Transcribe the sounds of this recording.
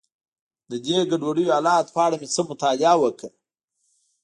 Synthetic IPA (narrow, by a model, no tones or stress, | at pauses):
d̪əd̪eɡaɖwaɽəjoalɑt̪pɑɽamet͡səmʊt̪ɑlɪawəkʰə